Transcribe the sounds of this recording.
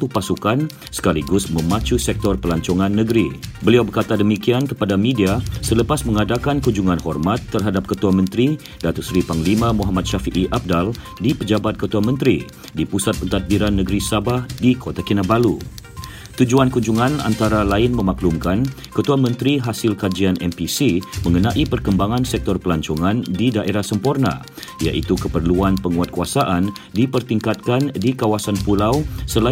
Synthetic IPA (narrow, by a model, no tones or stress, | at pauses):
t̪uhpasukan | sə̥kaliɡʊsmə̃mat͡ʃusɛk̚t̪ɔrpəlaɲt͡ʃɔŋãnːəɡəɾibəliawbərkat̪adəmikiankəpadamĩdiasələpasmə̃ŋadakankuɲd͡ʒuŋanhɔrmat̪ːərɦadap̚kət̪uamə̃nt̪ɾi | dat̪usɾipaŋlimãmuɦamat̪̚ʃafiʔiʔab̚dal | dipəd͡ʒabat̪̚kət̪uamə̃nt̪ɾḭ | dipusat̪̚pənt̪at̪̚biɾanːəɡəɾisabahdikʰot̪akinabalu | t̪ud͡ʒuankuɲd͡ʒuŋãna̰nt̪aɾalaɪnmə̃maklumkan | kət̪uamə̃nt̪ɾiɦasɪlkad͡ʒianʔɛmpisimə̃ŋənaʔipərkəmbaŋãnsɛk̚t̪ɔrpəlaɲt͡ʃɔŋandidaʔeɾahsəmpɔrna̰ | ija̰ʔit̪ukəpərluanpəŋuat̪̚kuasaʔan | dipərt̪iŋkat̪̚kandikawasanpulawsəla